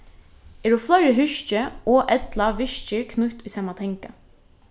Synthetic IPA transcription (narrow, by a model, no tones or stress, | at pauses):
ɛːɾuflœɾəɦʏʃt͡ʃəɔʔɛt̪laʋɪʃt͡ʃɪɹkʰnʊt̪ʏsɑːmat̪ʰɛŋka